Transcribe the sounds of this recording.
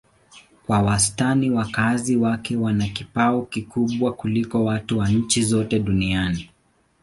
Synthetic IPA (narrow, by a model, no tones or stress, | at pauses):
kwawastaniwakaziwakɛwanakipaɔkikuɓwakulikɔwatuwaɲ̩t͡ʃizɔtɛɗuniani